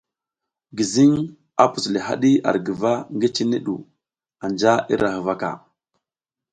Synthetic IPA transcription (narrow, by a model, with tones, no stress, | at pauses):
ɡi˨zi˦ŋ | a˨pu˨sli˨ɦa̰˦ɗi˦a̰˨ɾɡə˨va˦ŋɡi˦t͡ʃi˦ni˦ɗṵ˨ | a˨nd͡ʒa˦ḭ˦ɾa˨hə˨va˦ka̰˨